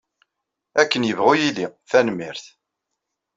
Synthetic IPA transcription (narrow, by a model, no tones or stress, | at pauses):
ækːənjəvʁujiliθænmiɾθ